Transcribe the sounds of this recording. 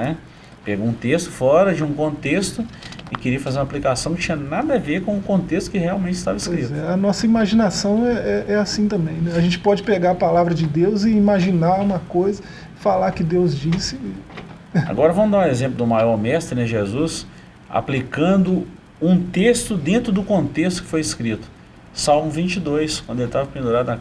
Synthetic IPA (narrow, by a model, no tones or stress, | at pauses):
nɛ | peɡõũt̪est̪ʊ̥fɔɾɐd͡ʒɪũkõnt̪est̪ʊɪkɪɾiɐfazeɾũaplikasɐ̃w̃kt͡ʃĩɲɐnad̪ɐveɾkõʊkõnt̪est̪ʊ̥kɪheawmẽnt͡ʃɪst̪avɐɪpsojkɾit̪zɛɐnɔsɐimaʒinasɐ̃w̃ɛɛʔɛasĩt̪ɐ̃mbẽj̃nɛaʒẽnt͡ʃɪ̥pɔd͡ʒɪpeɡaɾɐpalavɾɐd͡ʒɪd̪ewzɪimaʒinaɡũmɐkojzɐ | falakɪd̪ewzd͡ʒisɪ | a̰ɡɔɾɐvɐ̃mʊzd̪aɾ̃ezẽplʊd̪ʊmajɔɾmɛst̪ɾɪnɛʒezus | a̰plikɐ̃nd̪ʊ | ũt̪est̪ʊd̪ẽnt̪ɾʊd̪ʊkõnt̪est̪ʊ̥kɪfojɪskɾit̪ʊ̥ | sawmʊvĩnt͡ʃid̪ojskwɐ̃nd̪elt̪avɐpẽnd̪uɾad̪ʊa